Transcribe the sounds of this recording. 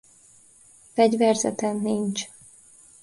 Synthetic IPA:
fɛɟvɛrzɛ̰t̪ɛnːiɲt͡ʃ

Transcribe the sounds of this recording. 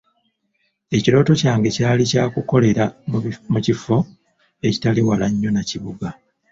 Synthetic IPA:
e̞cilo̞ːto̞caːŋɡe̞caːlicaːkuko̞le̞ɾamucifo̞ | e̞ci̥taliwalaɲːo̞naciβuɡa

